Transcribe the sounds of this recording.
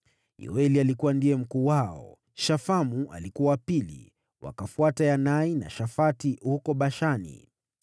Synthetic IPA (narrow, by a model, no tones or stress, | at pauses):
j̰ɔ̰ɛlialikuwandijɛm̩kuːwaɔ̰ | ʃafamuʔa̰likuawapilḭ | wa̰kafuatajanaina̰ʃafatiɦukɔɓaʃanḭ